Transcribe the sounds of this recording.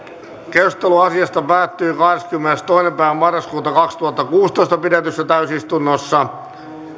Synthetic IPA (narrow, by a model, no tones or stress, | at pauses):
kerst̪eluɑsiɑst̪ɑpæːt̪ːyːkɑhdeskymːenest̪oinempæːʋæmɑrːɑskuːt̪ɑkɑkst̪uhɑt̪ːɑkuːst̪oist̪ɑpidet̪ysːæt̪æysist̪unːosːɑ